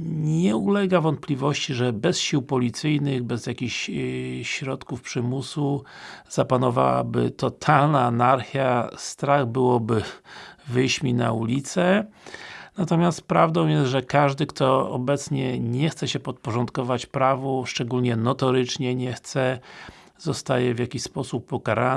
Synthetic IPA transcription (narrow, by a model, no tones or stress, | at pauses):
ɲɛulɛɡavɔnt̪̚plʲivɔɕt͡ɕiʐɛbɛsɕiwpɔlʲit̪sɘjnɘɣbɛzjakʲiɕɕɾɔt̪kufpʂɘmusuz̥apanɔva̰wa̰bɘ̰t̪ɔt̪ʰalnaːnaɾxʲjast̪ɾaɣbɘwɔbɘvɘjɕmʲina̰ulʲit̪sɛ | nat̪ɔmʲjast̪pɾavd̪ɔ̃w̃jɛst̪ʐɛkaʐd̪ɘkt̪ɔɔ̰bɛt̪sɲɛɲɛxt̪sɛɕɛpɔt̪̚pɔʐɔnt̪kɔvat͡ɕpɾavuʂt͡ʂɛɡulʲɲɛnɔt̪ɔɾɘt͡ʂɲɛɲɛxt̪sɛ | zɔst̪ajɛvʲjakʲiɕspɔsupːɔkaɾa